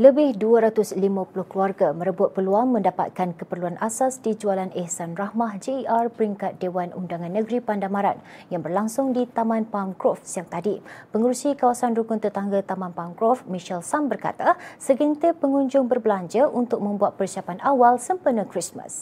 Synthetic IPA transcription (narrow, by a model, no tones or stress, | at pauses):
ləbɪhduaɾat̪ʊslimãpulʊhkluarɡamə̃ɾəbʊt̪̚pərluaŋmə̃ndapa̰t̪̚kankəpərluanʔasasdid͡ʒualanɛhsanrahmahd͡ʒeʔarpəɾiŋkat̪̚dewanṵndaŋãnːəɡɾipandamaɾat̪̚jaŋbərlaŋsʊŋdit̪amãnpamkɾɔfsəjaŋt̪adipəŋəɾusikawasanrukʊnt̪ət̪aŋɡat̪amãnpamkɾɔfmiʃɛlsambərka̰t̪asəɡənt̪ipəŋuɲd͡ʒʊŋbərbəlaɲd͡ʒaʔunt̪ʊk̚mə̃mbuat̪̚pərsiapanʔawalsəmpənə̃kɾismə̰s